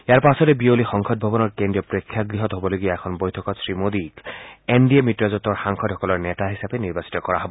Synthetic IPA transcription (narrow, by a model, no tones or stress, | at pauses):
ejaɹpasɔtɛbiolixɔŋxʰɔt̚bʱɔbɔnɔɹkendɹiɔpɹokʰːjaɡɹiɦɔtɦobɔloɡijaɛkʰɔnbojtʰɔkɔtsɹimodikendiemitɹazɔtːɔɹxaŋkʰɔdhɔkɔlɔɹnɛtaɦisapɛniɹbasi̥tɔkɔɹaɦɔbɔ